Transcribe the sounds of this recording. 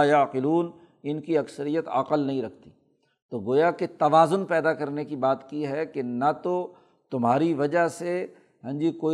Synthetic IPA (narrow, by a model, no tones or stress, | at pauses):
jaːqɪluːn | ɪnkiɐksəɾijət̪ɐ̰qəlnɐɦĩɾɐk̚ʰt̪iː | t̪oːɡoːjaket̪ɐʋaːzʊnpɛːd̪akɐɾnekibaːt̪kiɦɛkenat̪o | t̪ʊmɦaːɾiʋɐd͡ʒaɦse | ɦɛ̃ːɲd͡ʒikoːi